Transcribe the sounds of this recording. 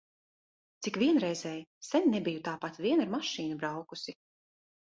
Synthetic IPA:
t̪sikvʲiɛnɾɛjzɛːjsɛnʲnɛbijut̪aːpat̪vʲiɛnaɾmaʃiːnubɾawkusi

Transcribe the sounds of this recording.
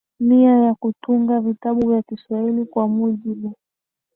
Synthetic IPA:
miajakutuŋɡavitaɓuvjakiswahilikwamuʄiɓu

